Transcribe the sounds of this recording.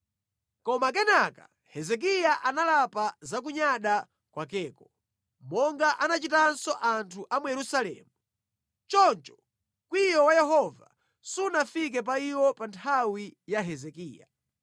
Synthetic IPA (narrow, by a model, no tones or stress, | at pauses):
kɔmak̬ɛnakḁ̰ | hɛzɛk̬ijaʔanalapazak̬uɲaɗa | kwakɛːkɔ | mɔŋɡaʔanat͡ʃitansɔʔantʰuʔamujɛɾusalɛ̰ːmu | t͡ʃɔnt͡ʃɔ̥ | kwijɔwajɛɦɔva̰ | sunafik̬ɛp̬aiwɔpantʰawijaɦɛzɛkiːja̰